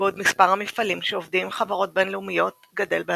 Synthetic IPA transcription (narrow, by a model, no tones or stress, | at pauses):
odmispaʁhamifalimʃeovdimχavaʁo̞t̚be̞nleumijo̞t | ɡade̞lbe